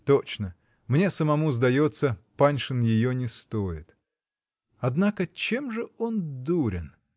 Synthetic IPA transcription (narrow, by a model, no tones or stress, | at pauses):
t̪ot͡ɕnə | mnʲe̞səmɐmuzd̪ɐjot̪səpanʲʂɨnjɪjonʲɪst̪ojɪt̪ | ɐd̪nakət͡ɕe̞mʐɨo̞nd̪uɾʲɪn